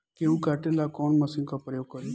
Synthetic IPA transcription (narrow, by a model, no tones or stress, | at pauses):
keũːkaʈelaːkɔːnməsɪ̃ŋkapɾəjoːɡ̚kəɾ